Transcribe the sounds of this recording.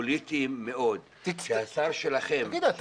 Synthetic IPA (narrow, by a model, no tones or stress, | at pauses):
lit̪imːeʔod̪ | iasaɾʃelaχemɡid̪at̪